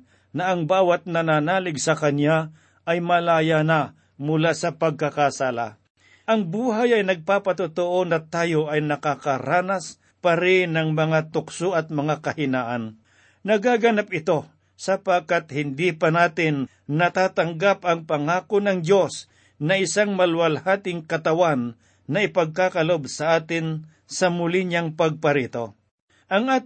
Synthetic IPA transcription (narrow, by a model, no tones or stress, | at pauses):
nɐʔɐŋbaːwɐt̪̚nɐnaːnaːlɪɡsɐkɐnja | ʔɐjmɐlaːjanɐ | mʊlasɐpɐɡ̚kɐkasaːla̰ | ʔɐŋbuːɦajɐjnɐɡ̚paːpɐt̪ʊt̪oʔo̞nɐt̪aːjoʔɐjnɐkakɐɾaːnɐs | pɐɾɪnɐŋmɐŋat̪ʊksoʔɐt̪̚mɐŋakɐhɪnaːʔɐn | nɐɡaːɡɐnap̚ɪt̪o̞ | sɐpakat̪hɪnd̪ipɐnaːt̪ɪnː | ɐt̪aːt̪ɐŋɡapɐŋpɐŋaːkonɐŋdo̞s | nɐɪsaŋmɐlwɐlhaːt̪ɪŋkɐt̪ɐwanː | ɐʔɪpɐɡ̚kakɐlobsɐʔaːt̪ɪn | sɐmʊlɪɲaŋpɐɡ̚pɐɾiːt̪o̞ | ʔɐŋʔaːt̪